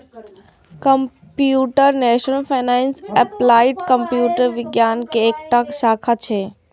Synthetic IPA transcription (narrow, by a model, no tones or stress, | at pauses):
kɐm | pjuːʈəɾnɛːʃnəlfʰaːnaːɪnseplaːɪɖkɐmpjuːʈəɾʋɪɡjaːnkeːkʈakʃaːkʰat͡ʃʰe